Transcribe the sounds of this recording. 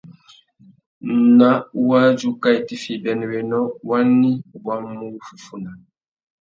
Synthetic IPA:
n̩˨na˦u˦wa˦d͡ʒu˦ka˦i˨ti˦fi˨bɛ˨n˨wɛ˨nɔ˦wa˦nːi˦˨wa˦mː˦u˦fu˨fu˦na˨

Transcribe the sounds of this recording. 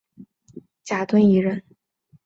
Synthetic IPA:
t͡ɕja˨˩t̪wə˥ni˧˥ɻə˥˩n

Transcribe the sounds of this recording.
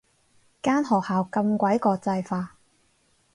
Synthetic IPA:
kaː˥nɦɔː˨k̚haː˨wkɐ˧mkʷɐ˨˥jkɔː˧t͡sɐ˧jfaː˧

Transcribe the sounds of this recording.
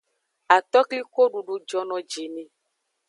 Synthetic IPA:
a˨t̪ɔ˦kli˦ko˦ɖu˨ɖu˦d͡ʒɔ˦nɔ̃˨d͡ʒe˨nẽ˨

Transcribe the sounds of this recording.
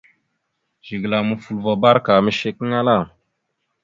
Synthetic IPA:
ʒ̥i˨ɡla˨mu˨fu˨lvɔ˨ba˦ɾka˨mi˦ʃe˦ki˦ŋa˦la˦˨m

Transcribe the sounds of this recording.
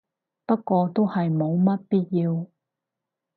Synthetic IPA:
pɐ˥t̚kʷɔː˧t̪o˥whɐ˨jmo˨˧wmɐ˥t̚piː˥t̚jiː˧w

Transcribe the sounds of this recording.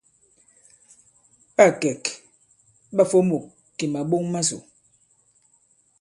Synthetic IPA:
ɓa˦˨kɛ˨k | ɓa˦˨fo˦mo˨ | kːi˨ma˨ɓo˦ŋma˦zo̰˨

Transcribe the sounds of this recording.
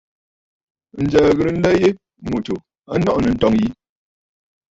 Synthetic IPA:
n̩˨d͡ʒə˨ɣə˨ɾn̩˦lɛ˦je˦ | mo˨to˨ | a˦nɔ˦ʔnə˨n̩˦tɔ˦ŋji˦

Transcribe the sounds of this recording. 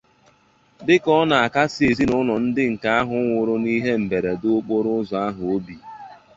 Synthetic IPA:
dɪ˦kɔ˦na˨a˨ka˦se˨zi˦nʊ˦nɔ˨n̩˦dɪ˦ŋ̩˨ka˦a˦ɦʊ˨˦ŋʷʊ˨ɾʊ˦ni˦ɦe˦m̩˨be˨ɾe˨dʊ˦k͡po˦ɾʊ˦zɔ˨a˦ɦʊ˨o˦bi˨

